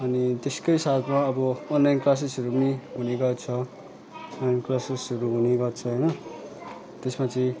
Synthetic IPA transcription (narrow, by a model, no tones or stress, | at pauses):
ʌnit̪eskʌjsat̪ʰmaʌbʌʌnlajnklas̬isʌɾumiɦuneɡʌrt͡sʰʌ | ʌnlːajnklasisʌɾuɦuneɡʌrt͡sʰʌɦʌjnʌ | t̪esmat͡sʰĩ